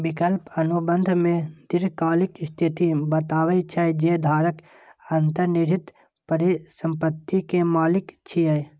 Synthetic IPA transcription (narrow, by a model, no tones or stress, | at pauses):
bɪkəlpənubə̃nd̪ʱmẽd̪ɪɾkaːlɪkst̪ʰɪt̪ibət̪aːwət͡ʃʰad͡ʒed̪ʱaːɾək | ənt̪əɾnɪɾɪt̪ | pəɾisə̃mpət̪ːikemaːlɪkt͡ʃʰiə